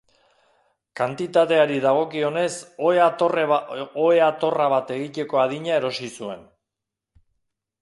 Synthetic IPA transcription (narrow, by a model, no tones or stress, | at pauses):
kant̪it̪at̪e̞aɾiðaɣ̞o̞kio̞ne̞soeaoroeat̪o̞raβat̪e̞ɣit̪e̞ko̞aðiɲae̞ɾo̞sisue̞n